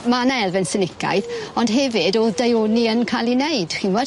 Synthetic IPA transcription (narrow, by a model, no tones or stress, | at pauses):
manaɛlˠvɛnsənɪkʰa̰jθɔndɦɛvɨdoːðdajoniənkʰalˠinejd̥xinvɔ